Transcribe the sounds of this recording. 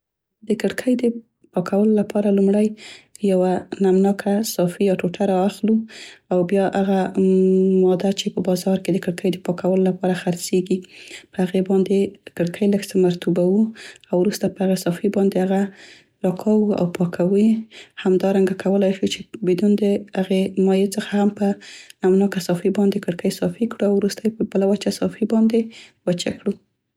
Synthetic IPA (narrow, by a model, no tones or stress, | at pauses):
d̪əkɪɽkʰəjd̪ə | pɑkʰawəlolapʰɑɾalumɽajjawanamnɑkʰasɑfijɑʈoʈaɾɑaxluawbjɑʔaɣa | mɑd̪at͡ʃepəbɑzɑɾked̪əkɪɽkʰəjd̪əpɑkawəlolapɑɾaxaɾt͡seɡipəhaɣebɑnd̪ekɪɽkʰəjləɡsəmaɾt̪ubawuawɾust̪apəhaɣasɑfibɑnd̪ehaɣa | ɾɑkʰawua̰wpɑkʰawəhamd̪ɑɾaŋɡakʰawəlajʃut͡ʃebid̪und̪əhaɣemɑjet͡səxahampənamnɑkasɑfibɑnd̪ekəɽkəjsɑfikɽuawɾust̪əjpəbəlawət͡ʃasɑfibɑnd̪ewət͡ʃa̰kɽu